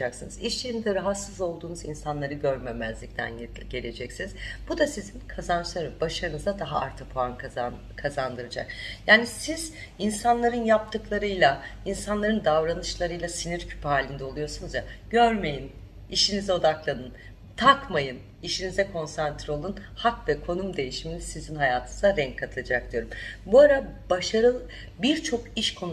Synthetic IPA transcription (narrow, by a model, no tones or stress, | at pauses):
d͡ʒaksɯnɯziʃt͡ʃʰejinid̪ɛɾaɦat̪sɯzo̞lˠd̪uːnuzinsanlˠaɾɯɟø̞ɾmemæzlʲic̚t̪ʰæ̰n | ɟe̞lʲe̞d͡ʒɛcsiniz̥b̥ud̪asizinkʰazant͡ʃlˠaɾɯbaʃaɾɯnɯzd̪ad̪aɦaa̰ɾt̪ʰɯpʰoank | kʰazand̪ɯɾad͡ʒa̰k̚jaːnisiz | insanlˠaɾɯnjap̚t̪ʰɯklˠaɾɯjlˠainsanlˠaɾɯnd̪avɾanɯʃlˠaɾɯjlˠasiniɾcʰy̥phaːlʲind̪ɛo̞lˠujo̞sunuzjaɟøɾme̞jin | iʃinizɛo̞d̪aklˠanɯn | t̪ʰakmajɯn | iʃinizɛkʰo̞nsant̪ʰɾo̞lˠunhakvɛkʰo̞numd̪e̞jiʃiminisizinhajaːt̪ʰɯnɯzaɾɛɲŋckʰːat̪ʰɯlˠad͡ʒak̚d̪ijo̞ɾumbuaɾabaʃaɾɯ | biɾt͡ʃʰo̞kiʃkʰo̞n